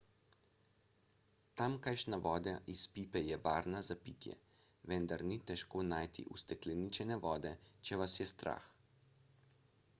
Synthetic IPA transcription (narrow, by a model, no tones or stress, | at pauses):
t̪amkajʃnaʋɔːd̪aʔispiːpɛjɛʋaːɾnazapit̪jɛ̰ | ʋɛnd̪aɾnit̪ɛʃkonaːjt̪ḭʔust̪ɛklɛniːt͡ʃɛnɛʋɔːd̪ɛt͡ʃɛʋasjɛst̪ɾa̰ːx